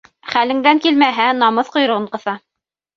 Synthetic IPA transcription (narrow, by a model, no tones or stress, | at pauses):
χælɘ̆ŋd̪æŋkilmæɦænɑmɤθqŏj̆ɾɤ̆ʁɤɴqɤ̆θɑ